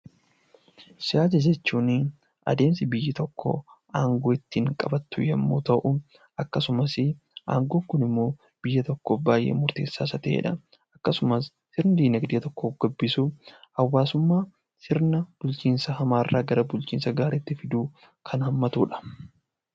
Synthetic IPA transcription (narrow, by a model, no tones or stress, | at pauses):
sɪjaːd͡ʒɐd͡ʒɛt͡ʃːuːn | ʔɐ̰d̪e̞ːmsɪbɪjːɪt̪ɔkːo̰ʔaːŋɡoːɪt̪ːiŋkʼɐbɐt̪ːʊjɐmːo̞̰ːt̪ɐʔʊ | ɐkːɐsʊmɐsɪ | ʔa̰ːŋɡoːŋkʊnɪmːo̞ː | b̥ɪjːɐt̪ɔkːoːbaːjːḛːmʊɾt̪eːsːaːsɐt̪ɛʔḛːᶑɐ | ɐkːɐsʊmɐsːɪɾnɐd̪iːnɐɡd̪iːt̪ɔkːoːfɡ̥ɐbːɪsʊhɐwːaːsʊmːaː | sɪɾnɐb̥ʊlt͡ʃiːnsɐhɐmaːrːaːɡɐɾɐbʊlt͡ʃiːnsɐɡaːɾeːt̪ːɪfɪd̪uː | kʰɐnhɐmːɐt̪uːᶑɐ̥